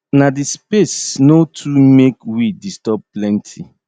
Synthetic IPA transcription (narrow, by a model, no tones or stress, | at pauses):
nadispesnotʰumekwidistɔp̚plɛ̃ntʰi